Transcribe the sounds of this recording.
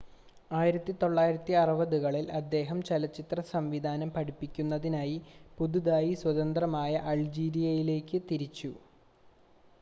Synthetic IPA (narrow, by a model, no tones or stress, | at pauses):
aːjiɾɐt̪ːit̪o̞ɭːaːjiɾɐt̪ːiɐrɐʋɐðuɣɐɭilɐd̪ːe̞ːɦɐmt͡ɕelɐt͡ɕːit̪rɐsɐmʋid̪ʱaːnɐmpɐɽipːikʲːunːɐðinaːjipud̪uðaːjiswɐðɐnd̪rɐmaːjɐʔɐld͡ʑiːɾijɐjile̞ːkːɨt̪iɾit͡ɕːu